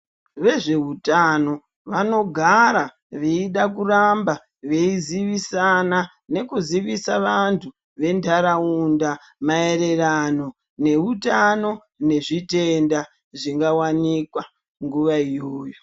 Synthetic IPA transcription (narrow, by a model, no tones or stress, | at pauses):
ʋe̞ʐe̞ɦutano̞ | ʋano̞ɡʱaɾa | ʋeiɗak̬uramba | ʋeiziʋisana | ne̞kuziʋisaʋantʰu | ʋe̞ndʰʱaɾaunda | mae̞ɾe̞rano̞ | ne̞utano̞ | ne̞ʐite̞nda | ʐiŋɡawanikwa | ŋɡuʋaijoːjo